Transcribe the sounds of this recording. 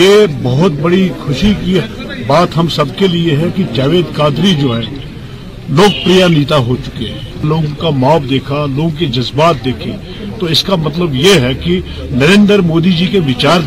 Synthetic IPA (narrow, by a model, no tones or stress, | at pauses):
jeːbɐɦʊt̪̚bɐɽikʰʊʃiki | baːt̪ɦɐmsɐbkelieɦɛkid͡ʒaːʋeːd̪kaːd̪ɾid͡ʒoːɦɛː | loːɡ̚pɾijaniːt̪aɦot͡ʃʊ̥keɦɛ̃ːloːɡõkamaːpd̪eːkʰaloːɡõkid͡ʒɐzbaːt̪̚d̪eːkʰi | t̪oɪskamɐt̪̬ləbjeɦɛki | nɐɾẽːnd̪əɾmoːd̪id͡ʒikeʋɪt͡ʃaːɾ